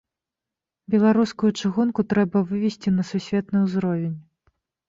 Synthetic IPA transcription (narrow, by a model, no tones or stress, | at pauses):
bʲɛlˠaɾuskujut͡ʂɨɣunkut̪ɾɛbɐvɨvʲɛsʲt͡sʲinɐsusʲvʲɛt̪nɨwzɾɔvʲenʲ